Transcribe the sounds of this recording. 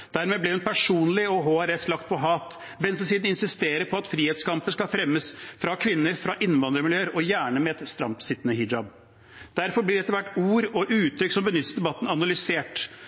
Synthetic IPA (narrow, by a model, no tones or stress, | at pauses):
d̪̥æɾmeːblɪhʉnpʰæʂuːnlɪɔɦoæɾɛslɑkt̪̚pʰɔɦɑːt̪ | bɛnsəsiːd̪nɪnsɪst̪eːɾəɾpʰɔɑt̪fɾiːheːt̪skɑmpənskɑlfɾɛmːəsfɾɑkʰʋɪnːəɾfɾɑʔɪnːʋɑnd̪ɾəmɪljøːəɾɔjæːɳəmɛɛt̪st̪ɾɑmpsɪt̪ːənəɦɪd͡ʒɑb | d̪̥æɾfɔɾblɪɖɛt̪əɾʋæʈːuːɾɔʔʉːt̪ʰɾʏksɔmbənʏt̪ːəsd̪ɛbɑt̪ːn̩ɑnɑlʏseːʈ